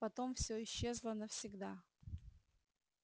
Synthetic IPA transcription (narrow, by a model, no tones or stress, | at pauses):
pɐt̪omfsʲoɪɕːezlˠənəfsʲɪɡd̪a